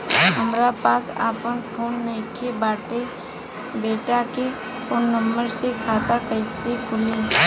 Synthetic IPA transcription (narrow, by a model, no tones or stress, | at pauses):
ɦəmɾapaːsa̰ːpənpʰoːnːəɪ̃kʰebaːʈe | beːʈake | pʰoːnːəmbəɾsekʰaːt̪akəɪsekʰʊle